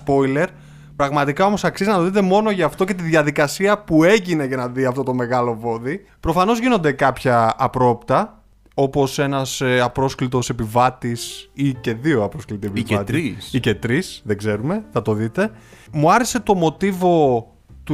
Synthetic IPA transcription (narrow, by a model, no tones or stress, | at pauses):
spo̞jle̞ɾ | pɾɐɣmɐt̪ikao̞mo̞sɐksizinɐt̪oðit̪̬e̞mo̞no̞ʝɐːft̪o̞ce̞t̪iðʝɐðikɐsiɐpue̞ʝine̞ʝɐnɐðiɐft̪o̞t̪o̞me̞ɣɐlo̞vo̞ði | pɾo̞fɐno̞zʝino̞nd̪e̞kɐpçɐːpɾo̞pt̪ɐ | o̞po̞se̞nɐsɐpɾo̞sklit̪o̞se̞pivɐt̪isice̞ðio̞ɐpɾo̞sklit̪iepvɐt̪iɾisice̞t̪ɾisðe̞ɡze̞ɾume̞θɐt̪o̞ðit̪e̞ | muɐɾese̞t̪o̞mo̞t̪ivo̞ | t̪u